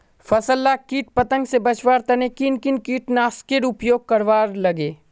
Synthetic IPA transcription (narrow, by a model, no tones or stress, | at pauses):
fɐsəlːaːkiːʈ̚pɐt̪ə̃ŋɡsebɐt͡ʃʋaːɾt̪ɐnekɪnkɪnkiːʈnaːskeɾʊpjoːɡ̚kɐɾʋaːɾlɐɡeː